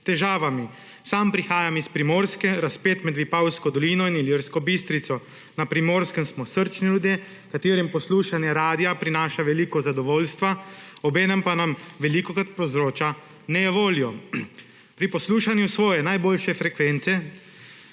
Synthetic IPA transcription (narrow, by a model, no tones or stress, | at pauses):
t̪ɛʒaːʋami | saːmpɾixaːjamispɾimoːɾskɛɾaspeːt̪mɛd̪ʋipawskɔd̪ɔliːnɔiniliɾskɔbist̪ɾit̪sɔ | napɾimoːɾskəmsmɔsəɾt͡ʃnilud̪je | kat̪eːɾimpɔsluːʃanjɛɾaːd̪ijapɾinaːʃaʋɛliːkɔzad̪ɔʋoːlst̪ʋaɔbɛːnɛmpanamʋɛliːkɔkat̪̚pɔzɾoːt͡ʃa | nɛʋoːljɔ | pɾipɔsluːʃanjusʋɔːjɛnajboːlʃɛfɾɛkʋɛnt̪sɛ